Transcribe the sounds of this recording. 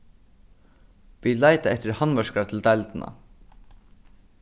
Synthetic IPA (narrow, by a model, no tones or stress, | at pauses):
ʋilaɪt̪aɛht̪ɪɹhanʋœʂkaɾat̪ʰɪld̪aɪlt̪ɪna̰